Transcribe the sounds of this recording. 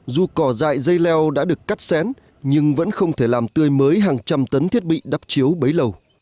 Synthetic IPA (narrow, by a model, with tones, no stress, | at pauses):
zu˨˩kɔ˧˩za̰ː˧˨jzə˧jlɛ˧wɗa̰ː˧˥ɗɨ˨˩əkːa˦˥t̚sɛ˨˦n | ɲɨ˧ŋvə̰˧˥nxə˧wŋ͡mt̪ʰe˧˩laː˨˩mt̪ɨ˧əjməː˨˦jɦaː˨˩ŋt͡ɕa˧mt̪ə˨˦nt̪ʰi˦˥ət̚ɓḭ˧˨ɗa˦˥p̚t͡ɕi˨˦əwɓə˨˦jlə˨˩w